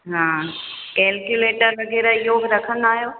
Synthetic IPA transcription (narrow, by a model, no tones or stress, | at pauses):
ɦãː | kɛːlkjuleːʈəɾʋɐɡeːɾaɪɦobɪɾɐkʰə̃nd̪aːɦijoː